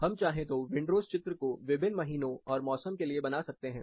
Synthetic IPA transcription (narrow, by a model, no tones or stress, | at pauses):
hɐmt͡ʃaːɦẽt̪oʋɪ̃ɳɖɾoːst͡ʃɪt̪ɾəkoʋɪbɪnmɐɦiːnõɔːɾmɔːsəmkeliebɐnaːsɐk̚t̪eɦɛ̃ː